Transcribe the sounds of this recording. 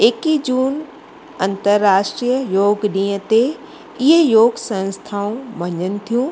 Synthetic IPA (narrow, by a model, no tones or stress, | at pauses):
ekid͡ʑuːn | ɐ̃nt̪əɾːaːʃʈɾiːjəjoːɡɗĩːət̪e | ɪɦəjoːɡsɐ̃nst̪ʰaːũʋɐɲənɪ̆t̪ʰijũː